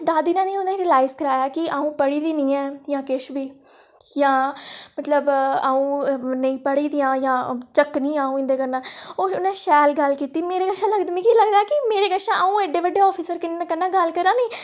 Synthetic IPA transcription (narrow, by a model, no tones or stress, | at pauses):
d̪aːd̪iːnãːnĩːʊnãːiɾiːlaːɪzkəɾaːjaːkɪʔaːũːpəɽiːd̪iːnĩːɛːjãːkɪʃbiː | jãːmət̪ləbaːũːnəĩːpəɽiːd̪ijãːjãːt͡ʃəknĩːãːũːɪ̃nd̪eːkəɾnãːoːʊnãːʃɛːlɡəlkiːt̪iːmeːɾeːɡəʃãːləɡd̪mĩːkiːləɡd̪aːɛːkɪmeːɾeːɡəʃãːʔaũːeɖeːʋəɖːeːɔːpʰiːsəɾkɪnkənːãːɡəlkəɾãːnĩː